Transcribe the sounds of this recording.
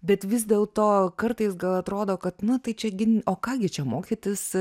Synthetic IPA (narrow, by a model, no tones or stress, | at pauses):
bʲɛt̪ʋʲɪzd̪ʲeːlˠt̪oːkɐrt̪ɐɪsɡɐlˠɐt̪ɾoːd̪oːkɐt̪nʊt̪ɐɪt͡ʃʲɛɡʲɪnoːkɑːɡʲɪt͡ʃʲɛmoːkʲiɪt̪ʲɪs